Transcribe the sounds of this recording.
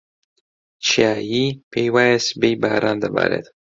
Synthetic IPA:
t͡ʃʰiaːjipʰejwaːjesbejbaːɾaːnd̪ɐba̰ːɾḛt̪

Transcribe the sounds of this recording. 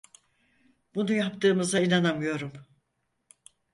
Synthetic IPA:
b̥unujapt̪ʰɯːmɯzainanamɯjo̞ɾum

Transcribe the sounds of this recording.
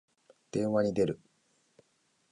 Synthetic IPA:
d̪̥ẽ̞ɰ̃βaɲ̟id̪e̞ɾɯ̟

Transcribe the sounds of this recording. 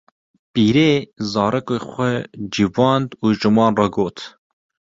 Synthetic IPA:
piːɾeːzɑːɾɛkoxʷɛd͡ʒivɑːnd̪uːʒɨmɑːnrɑɡoːt̪

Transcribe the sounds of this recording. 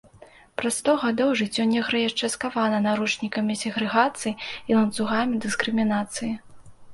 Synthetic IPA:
pɾasst̪ɔɣad̪ɔwʐɨt͡sʲːɔnʲːɛɣɾɛjaʂt͡ʂɛskavanɐnaɾut͡ʂnʲikɐmʲisʲɛɣɾɛɣat̪sɨjilˠɐnt̪suɣamʲid̪ɨskɾɨmʲinat̪sɨji

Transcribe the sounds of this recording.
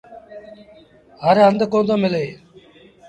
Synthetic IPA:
ɦəɾɦənd̪kõːnd̪õːmɪleː

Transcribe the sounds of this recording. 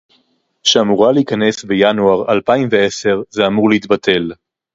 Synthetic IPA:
ʃeamuʁaleikane̞sbejanuaʁalpaimve̞e̞se̞ʁzeamuʁleit̪̚batʰe̞l

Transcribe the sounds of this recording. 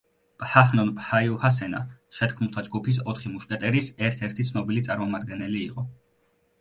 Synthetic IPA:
pʼhahnɔnpʼhaiuhas̬ɛna̰ʃɛt̪ʰkʰmulˠt̪ʰad͡ʒɡupʰis̬ɔt̪ʰχimuʃt̪ʼɛt̪ʼɛɾisɛɾt̪ʰɛɾt̪ʰit̪sʰnɔbilit̪sʼaɾmɔmad̪̚ɡɛnɛliːqʼɔ

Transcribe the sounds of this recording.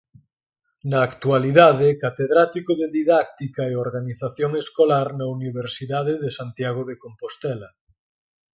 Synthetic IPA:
nɐːkt̪ualiðaðekat̪eðɾat̪ikoðeðiðak̚t̪ikaeoɾɣaniθaθjoŋeskolaɾnɐuniβeɾsiðaðeðesant̪jaɣoðekompost̪ɛlɐ

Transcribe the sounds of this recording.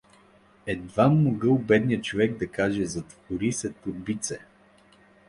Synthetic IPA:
ɛd̪vamːoɡɤlˠbɛd̪nijət͡ʃovɛɡ̚d̪ɐkaʒɛzɐt̪voɾisɛt̪oɾbit̪sɛ

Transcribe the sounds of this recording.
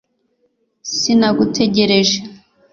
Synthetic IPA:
sinaɡutʰe̞ɟe̞ɾe̞ʒe

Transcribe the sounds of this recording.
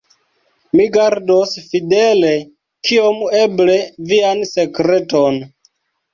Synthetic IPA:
miɡaɾdosfidele̞ | kʰiome̞ble̞viansekɾe̞ton

